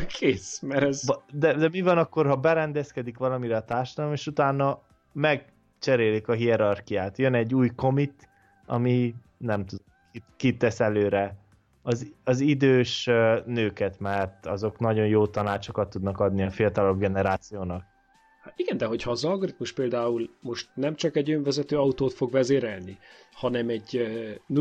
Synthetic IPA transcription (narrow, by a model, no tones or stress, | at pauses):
kʰeːsmɛɾɛzd̪ɛd̪ɛmivɒnɒkːo̞rhɒbɛɾɛnd̪ɛskɛd̪ikʋɒlɒmiɾɛɒt̪aːrʃɒd̪ɒlomeːʃut̪aːnːɒ | mɛɡ̚ | t͡ʃɛɾeːlikɒɦiɛɾɒrkijaːt̪jønɛɟːuːjko̞mit̪ | ɒ̰mi | nɛmt̪ud̪ | kikit̪ːɛsɛløːɾɛ | ɒzɒzid̪øːʃnøːkɛt̪mɛrt̪ɒzo̞knɒɟo̞njoːt̪ɒnaːt͡ʃo̞kɒt̪ːud̪nɒkɒd̪niɒfiɒt̪ɒlɒbɡɛnɛɾaːt̪sijoːnɒk̚ | hat̪iɡɛnd̪ɛɦo̞chɒːzɒlɡoɾit̪muʃpeːld̪aːulmo̞ʃt̪nɛmt͡ʃɒkɛɟøɱvɛzɛt̪øːɒut̪oːt̪fo̞ɡvɛzeːɾɛlnihɒnɛmɛɟ